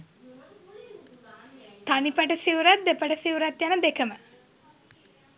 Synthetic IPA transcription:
t̪anipəʈəsiwuɾat̪̚d̪epəʈəsiwuɾat̪janəd̪ekəmə

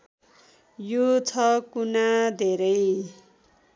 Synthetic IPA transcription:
jot͡sʰʌkunad̪ʱeɾʌj

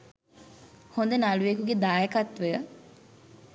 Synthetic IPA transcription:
hond̪enaluʋekuɡed̪aːjekat̪ʋejə

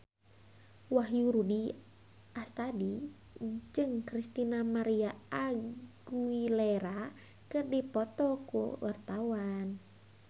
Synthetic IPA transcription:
waɦjuɾudi | ast̪adi | d͡ʒɨŋkɾist̪inamaɾiaaɡuileɾa | kɨrdipɔt̪ɔkṵwart̪awan

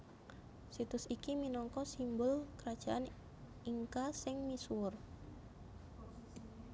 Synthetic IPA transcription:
sit̪ʊsikiminɔŋkɔsimbʊlkəɾad̥ʒ̥aʔan | ʔiŋkasɪŋmisuʊr

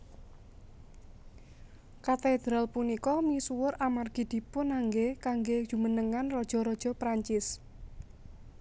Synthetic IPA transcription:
kat̪ed̪̥ɾalpunikɔmisuwʊramarɡ̥i̤d̪̥i̤pʊnːaŋɡekaŋɡe̥ʒ̥ṳmənəŋanrɔd̥ʒ̥ɔ̤ɾɔd̥ʒ̥ɔ̤pɾaɲt͡ʃɪs

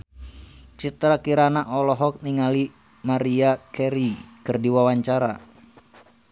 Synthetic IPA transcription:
t͡ʃit̪ɾakiɾanaʔɔlɔɦɔk̚niŋali | maɾiakɛɾikɨrdiwawaɲt͡ʃaɾa̰

